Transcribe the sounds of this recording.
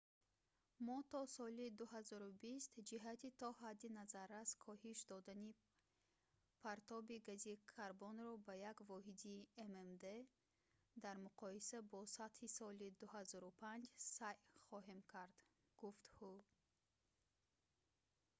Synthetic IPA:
mɔt̪ɔsɔlid̪uɦazɔɾubist̪d͡ʒiɦat̪it̪ʰɔɦad̪ːinazaɾaskʰɔhiʃd̪ɔd̪ani | pʰaɾt̪ʰɔbiɡazikʰaɾbɔnɾɔbajakvɔɦid̪iememd̪e̞ | d̪aɾmuqʰɔisabɔsat̪hisɔlid̪uhazɔɾupʰand͡ʒsajχɔɦe̞mkʰaɾd̪ | ɡ̥uft̪hu

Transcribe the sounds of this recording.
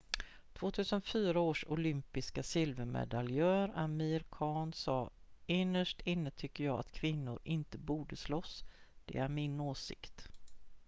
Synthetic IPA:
t̪ʰv̥oːt̪ʰʉ̟ːsənfyːɾaoːʂʊlʏmpɪskasɪlvəɾmɛ̰d̪aljœːɾamiːɾkʰɑːɳsɑːɪnːəʂʈɪnːət̪ʰʏkːəɾjɑːɡa̰t̪kʰvɪnːʊɾʔɪnt̪əbuːɖəslɔsːd̪̥ɛ̰æɾmɪnoːsɪ̰kt̪

